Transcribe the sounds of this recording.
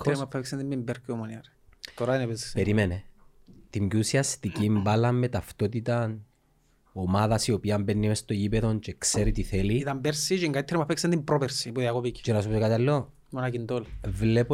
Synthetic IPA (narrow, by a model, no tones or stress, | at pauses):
eɾmapʰːeksend̪imimbeɾkomoniɐɾ | t̪oɾainepezi̥speɾimene | t̪imɟusiɐst̪icimbalɐmːet̪aft̪o̞t̪̬it̪ɐn | omaðɐsio̞piɐmbenːiest̪oʝipeðo̞nt͡ʃekse̞ɾit̪iθeliit̪ambeɾsit͡ʃeŋɡait̪ʰːeɾimapːeksend̪impɾopeɾsipuðiakopici̥t͡ʃiɾɐsupusikat̪alːo | monakind̪olvlepo